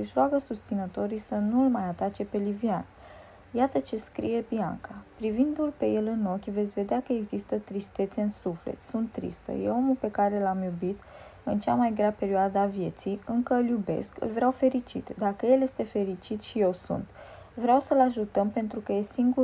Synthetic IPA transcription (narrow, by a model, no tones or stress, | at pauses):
ɨʃɾoaɡəsust̪sinət̪o̞ɾijsənuɨlmajat̪at͡ʃe̞pe̞livian | jat̪ət͡ʃe̞skɾḭje̞bia̰ŋkapɾivind̪ulpe̞je̞lɨno̞kʲve̞t̪sʲve̞d̪eakəe̞ɡzist̪ət̪ɾist̪e̞t̪se̞ɨnsuflḛt̪sunt̪ːɾḭst̪ə̰je̞̰o̞mulpe̞kaɾe̞lamjubit̪ɨnt͡ʃamajɡɾape̞ɾioad̪avje̞t̪sijɨŋkəɨljube̞̰skɨ̰lvɾeawfe̞ɾit͡ʃḭt̪d̪akəje̞lje̞st̪e̞fe̞ɾit͡ʃit̪ʃije̞wsṵnt̪ | vɾeawsəlaʒut̪əmpe̞nt̪ɾukəje̞siŋɡu